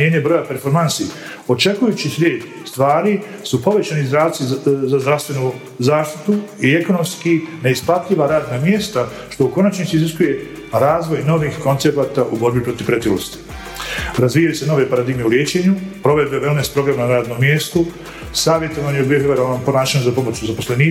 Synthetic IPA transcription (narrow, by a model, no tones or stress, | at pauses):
eːɲebɾo̞jape̞ɾfo̞ɾmansi | o̞t͡ʃe̞kujuːt͡ɕisʲʋʲeːd̪ | st̪ʋaːɾi | supo̞ʋe̞t͡ɕaːnizd̪ɾaːsizazd̪ɾaʋst̪ʋe̞nu | zaːʃt̪i̥t̪uie̞ko̞no̞mskine̞isplat̪ʎʲiʋaɾaːd̪namje̞st̪a | ʃt̪o̞uko̞nat͡ʃnit̪siziskuje̞ | ɾaːzʋo̞jno̞ʋixko̞nt̪se̞paːt̪aʔubo̞ɾbipɾo̞t̪iʋ̥pɾe̞t̪ilost̪i̥ | ɾazʋiːjajse̞no̞ʋepaɾad̪iɡme̞uljeːt͡ɕe̞ːɲupɾo̞ʋe̞d̪̚beʋelnespɾo̞ɡɾamanaɾaːd̪no̞mːje̞ːst̪u | saːʋje̞t̪o̞ʋanojeubijojeʋeɾanompo̞naːʃaɲuzapo̞mo̞t͡ɕuzapo̞slˠe̞niː